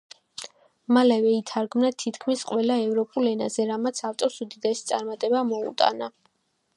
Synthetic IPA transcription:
malɛvɛit̪ʰaɾɡmnat̪ʰit̪ʰkʰmisqʼwɛlaɛvɾɔpʼulɛna̰zɛɾamat̪sʰaft̪ʼɔsud̪id̪ɛsit̪sʼaɾmat̪ʼɛbamɔṵt̪ʼa̰na

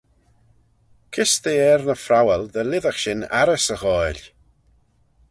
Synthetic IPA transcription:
kʰɪst̪eɛɾnəfɾawɛlˠd̪əlɪðaxʃɪna̰ɾɛsəɣɔjlʲ

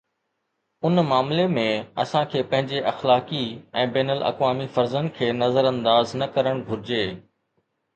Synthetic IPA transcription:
ʊnmaːmlemẽɐ̰sãkʰeːpɐ̃ɦɪ̃ɲd͡ʑeʔɐxlaːkiɛ̃ːbɛːnəlʔɐ̰kʋaːmifɐɾzənkʰeːnɐzəɾɐ̃nd̪aːznɐkɐɾəɽ̃bʱʊɾɪd͡ʑeː

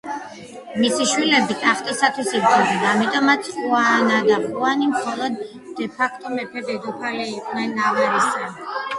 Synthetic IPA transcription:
misiʃwilɛbikʼaχt̪ʼisat̪ʰwisiɡzɛvid̪aːmit̪ʼɔmat̪sʰχuanad̪aχʼuanimχɔlˠɔd̪ː | ɛpʰakʰt̪ʼɔmɛpʰɛbɛd̪ɔpʰalɛiqʼnɛnːavaɾisa

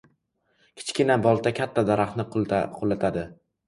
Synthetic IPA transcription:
kʲʰɪ̥t͡ʃkʲɪnabɒlˠt̪ʰakʲʰat̪ʰːad̪aɾaχnɪqʰʊlːat̪ʰad̪ɪ

